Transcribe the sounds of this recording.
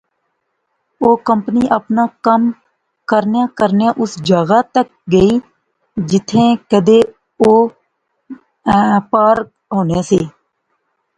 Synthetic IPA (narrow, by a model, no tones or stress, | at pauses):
oːkəmpniːʔəpnaːkəm | kəɾnjãːkəɾnjãːʔʊsd͡ʒaːɡaːt̪ək̚ɡəiː | d͡ʒɪt̪ʰːẽːkəd̪eː | oː | paːɾ | ɦoːneːseː